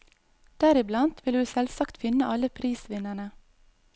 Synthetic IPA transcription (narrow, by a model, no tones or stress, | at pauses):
d̪̥æɾɪblɑnt̪ʰʋɪlhʉːsɛlsɑkt̪fɪnəʔɑləpʰɾiːsʋɪnæɳə